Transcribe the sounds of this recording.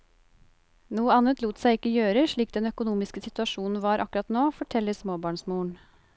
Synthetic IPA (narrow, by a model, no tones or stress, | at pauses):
nuːəɑnət̪luːt̪sæɪɪkːəjøːɾəʂɭiːk̚d̪ɛnœkʊnuːmɪskəsɪt̪ʉɑʃuːnn̩ʋɑːɾʔɑkʉɾɑt̪noːfɔʈʰɛlːəsmoːbɑːɳsmuːɳ